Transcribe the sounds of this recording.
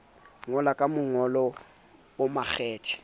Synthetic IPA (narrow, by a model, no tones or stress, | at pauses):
ŋɔlakʼamʊŋɔlɔ | ʊmaχɛːtʰɛ̥